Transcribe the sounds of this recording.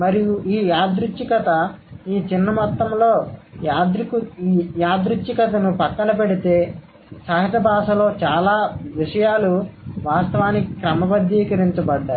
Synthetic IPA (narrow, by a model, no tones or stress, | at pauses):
mɐɾijuʔiːjaːd̪ɾut͡ʃːikɐt̪ɐiːt͡ʃinːɐmɔt̪ːɐmlo̞ːjaːd̪ɾikujaːd̪ɾut͡ʃːikɐt̪ɐnupɐkːɐnɐp̬eɽit̪e̞ː | saːɦɐt̪ɐbʱaːʂɐlo̞ːt͡ʃaːlaːʋiʂɐjaːluʋaːst̪ɐʋaːnikɾɐmɐbɐd̪jiːkɐɾiɲt͡ʃɐbɐɖːaːɾu